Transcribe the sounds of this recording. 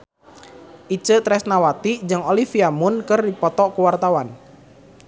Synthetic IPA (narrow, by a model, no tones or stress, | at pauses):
ʔit͡ʃət̪ɾɛsnawat̪id͡ʒɨŋolifiamʊnkərdipɔt̪ɔkuwart̪awan